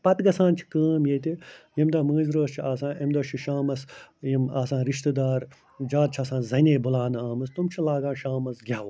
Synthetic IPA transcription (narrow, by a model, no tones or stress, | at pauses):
pɐt̪ɡɐsãːnt͡ʃʰi̥kəːmjeːt̪ijimd̪aːmə̃ːzɾoːst͡ʃʰiaːsãːʔɐmd̪oːʃʰiʃaːmɐsjimaːsãːɾiʃt̪ɨd̪aːɾ | d͡ʒaːt̪̚t͡ʃʰaːsãːzɐneːbulaːnaːmɐst̪umt͡ʃʰilaːɡãːnʃaːmɐsɡʲaːʋ